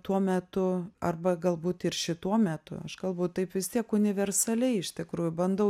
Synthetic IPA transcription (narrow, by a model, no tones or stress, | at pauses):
t̪uɔmʲæt̪ʊɐrbɐɡɐlˠbuːt̪ɪrʃʲɪt̪uɔmʲæt̪ʊ̰ɐʃkɐlˠbɐʊt̪ɐɪpʋʲɪst̪ʲiɛkʊnʲɪʋʲɛrsɐlʲɛɪɪʃʲt̪ʲɪkɾuːjʊbɐnd̪ɐʊ